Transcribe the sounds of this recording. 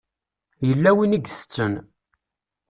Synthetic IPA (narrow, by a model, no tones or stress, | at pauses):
jəlːæwiniɡθə̥t͡sːən